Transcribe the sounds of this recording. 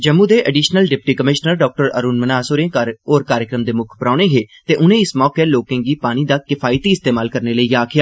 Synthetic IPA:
d͡ʒəmːũːd̪eːʔəɖiːʃnəlɖɪp̚ʈiːkəmɪʃnəɾɖɔːk̚ʈəɾə̰ɾuːnmənaːsoːɾẽːoːɾkaːɾjəkɾəmd̪eːmʊkʰpəɾãːneːɦeːt̪eːʔʊnẽːɪsmɔːkeːloːkẽːɡiːpaːɽ̃iːd̪aːkɪfʰaːɪt̪iːɪst̪eːmaːlkəɾneːləiːaːkʰɪjaː

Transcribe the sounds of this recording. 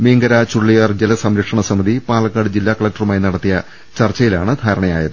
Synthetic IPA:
meːŋɡɐɾat͡ɕuɭːijaːrd͡ʑelɐsɐmɾɐkʂɐɳɐsɐmiðipaːɭɐkːaːɽɨd͡ʑilːaːkɐɭɐk̚ʈɐrumaːjnɐɽɐt̪ːijɐ | t͡ɕɐrt͡ɕːɐjilaːɳɨd̪ʱaːɾɐɳɐja̰ːjɐðɨ

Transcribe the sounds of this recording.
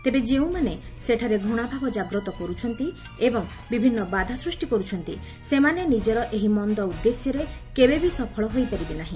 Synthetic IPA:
t̪ebed͡ʒeũmaneseʈʰaɾeɡʱuɽ̃abʱabɔd͡ʒaɡɾɔt̪ɔkɔɾut͡ʃʰɔnt̪i | ebɔŋ | bibʱinːɔbad̪ʱasɾusʈikɔɾut͡ʃʰɔnt̪ḭ | semanenid͡ʒɔɾɔʔeɦimɔnd̪ɔud̪ːesjɔɾekebebisɔpʰɔɭɔɦojpaɾibenaɦĩ

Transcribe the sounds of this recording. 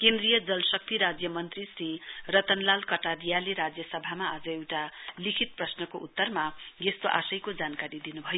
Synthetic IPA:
kend̪rijʌd͡zʌlsʌk̚t̪iɾad͡zjʌmʌnt̪risrirʌt̪ʌnlalkʌʈaɾijaleɾad͡zjʌsʌbʱamaːd͡zʌewʈalikʰit̪̚prʌsnʌkoʔut̪ːʌrmaɡest̪oʔa̰sʌjkod͡zankaɾid̪inubʱʌjo

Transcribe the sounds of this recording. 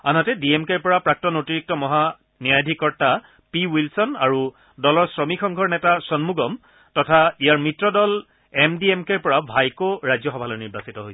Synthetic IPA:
anɔtɛdiɛmkɛɹpɔɹapɹak̚tɔnotiɹik̚tɔmɔɦa | niajdʱikɔɹta | piwilsɔnaɹu | dɔlɔɹsɹɔmixɔŋɡʱɔɹnɛtasɔnmuɡɔm | tɔtʰaijaɹmitɹɔdɔl | ɛmdiɛmkɛɹpɔɹabʱajkoɹajzjɔxɔbʱalɔɹniɹbasitɔɦoj

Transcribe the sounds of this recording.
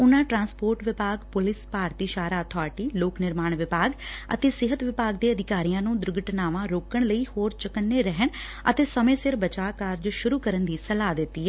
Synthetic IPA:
ʊnãːʈɾãːnspoːɾʈʋɪpaːɡpʊlɪspaːɾt̪iːʃaːɾaːt̪ʰɔːʈiːloːknɪɾmaːɳʋɪpaːɡə̰t̪eːsɪɦət̪ʋɪpaːɡ̚d̪eːəd̪ɪkaːɾijãːnũːd̪ɾʊɡəʈnaːʋãːɾoːkəɳləiːhoːɾt͡ʃəkənːeːɾɛɦəɳ | ə̰t̪eːsəmẽːsɪɾbət͡ʃaːkəɾd͡ʒʃʊɾuːkəɾənd̪iːsəlaːd̪ɪt̪ːiːɛː

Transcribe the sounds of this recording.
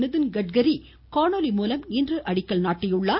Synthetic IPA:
nɯðɯnɡɐʈ̚ɡɐɾi | kaːɳoːlimuːlɐmniːndrɯʔɐɽɪkːɐɭnaːʈːɪjʊɭːaː

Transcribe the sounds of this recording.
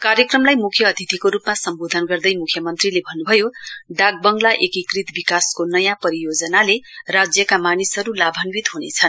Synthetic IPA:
karjʌkrʌmlajmukʰjʌːd̪ʱit̪ikoɾupmasʌmbod̪ʱʌnɡʌrd̪ʌjmukʰjʌmʌnt̪rilebʱʌnːubʱʌjoɖaɡ̚bʌŋɡlaʔekikrit̪bikaskonʌjãpʌɾijod͡zʌnalerad͡zjʌkamanisʌɾulabʱʌnwit̪ɦunet͡sʰʌn

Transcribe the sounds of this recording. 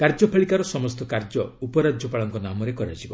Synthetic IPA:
kaɾd͡ʒɔpʰaɭikaɾɔsɔmɔst̪ɔkaɾd͡ʒɔupɔɾad͡ʒʱjɔpaɭɔŋkɔnamɔɾekɔɾa̰d͡ʒibɔ̰

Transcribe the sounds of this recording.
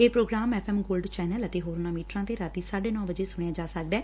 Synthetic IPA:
eːpɾoːɡɾaːmɛːpʰɛːmɡoːlɖt͡ʃɛːnələt̪eːɦoːɾnaːmiːʈɾãːt̪eːɾaːt̪iːsaːɖeːnɔ̃ːbəd͡ʒeːsʊɽ̃ejãːd͡ʒaːsək̚d̪ɛː

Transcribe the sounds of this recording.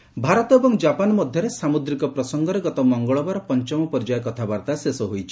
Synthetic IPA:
bʱaɾɔt̪ɔebɔŋd͡ʒapanɔmɔd̪ʱjɔɾesamud̪ɾikɔpɾɔsɔŋɡɔɾeɡɔt̪ɔmɔŋɡɔɭɔbaɾɔpɔnt͡ʃɔmɔpɔɾd͡ʒajɔkɔt̪ʰabaɾt̪asesɔɦojt͡ʃʰi̥

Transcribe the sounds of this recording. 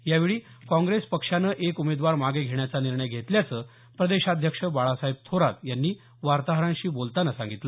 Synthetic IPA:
jaʋiɭiː | kɔ̃ŋɡɾespəkʂanəːʔekumed̪ʋaɾmaɡeɡʱeɳjat͡saniɾɳəjɡʱet̪ljat͡səː | pɾəd̪eɕad̪ʱjəkʂəbaɭasaɦib̚t̪ʰoɾat̪janːiː | ʋaɾt̪aɦɾãnɕiːbolt̪anasãŋɡit̪la

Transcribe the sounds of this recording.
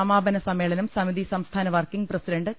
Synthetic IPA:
ɐmaːbɐnɐsɐmːeːɭɐnɐmsɐmid̪isɐmst̪ʰaːnɐʋɐrkiŋɡprɐsiɖɐɳɖɨ

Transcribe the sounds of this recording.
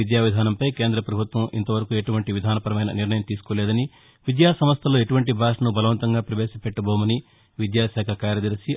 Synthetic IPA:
id̪jaːʋid̪ʱaːnɐmpɐjke̞ːnd̪ɾɐpɾɐbʱut̪ʋɐmḭnt̪ɐʋɐɾɐkueʈuʋɐɳʈiʋid̪ʱaːnɐpɐɾɐmɐjnɐ̰niɾnɐjɐmt̪iːsu̥koːlɛːd̪ɐni | ʋid̪jaːsɐmɐst̪ʰɐloːeʈuʋɐɳʈibʱaːʂɐnubɐlɐʋɐnt̪ɐŋɡaːpɾɐʋeːʃɐpeʈːɐboːmɐni | ʋid̪jaːʃaːkʰɐkaːɾɐd̪iɾisi

